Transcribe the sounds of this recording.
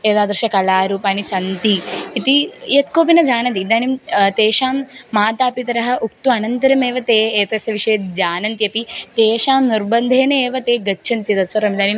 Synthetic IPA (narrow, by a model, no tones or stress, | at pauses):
eːd̪aːd̪ɾʃɐkɐlaːɾuːpaːnisɐnt̪iit̪ijɐt̪koːpinɐd͡ʒaːnɐnt̪id̪aːnimt̪eːʃaːmːaːt̪aːpit̪ɐɾɐɦɐ̆ʔuk̚t̪uɐnɐnt̪ɐɾɐmeːʋɐt̪eːeːt̪esɐʋiʂɐjɐd͡ʒaːnɐnt̪ijɐpit̪eːʃaːmniɾbɐnd̪ʱeːneeːʋɐt̪eːɡɐt͡ʃːʃʰɐnt̪jit̪ɐt̪sɐɾɐmid̪aːnim